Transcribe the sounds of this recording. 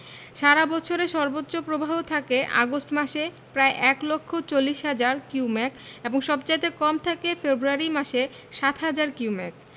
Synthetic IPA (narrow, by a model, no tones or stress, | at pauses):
ʃaɾabɔt͡ɕʰoɾeʃɔɾbotːɕopɾobʱaɦot̪ʰakeʔa̰ɡosʈmaʃe | pɾaeʔɛklokʰːot͡ɕolːiʃɦad͡ʑaɾkiumɛkeboŋʃɔbd͡ʑat̪ekɔmt̪ʰakefebɾuaɾimaʃe | ʃat̪ʰɦad͡ʑaɾkiuwmɛ̰k̚